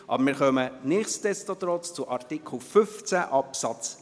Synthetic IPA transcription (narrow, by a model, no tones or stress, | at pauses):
ʔɑ̰bəɾmɪːɾχœmənɪχst̪ɛst̪ot̪ɾɔt͡st͡suʔɑɾt̪ikʰl̩ˠfʏft͡sæʔɑpsɑt͡s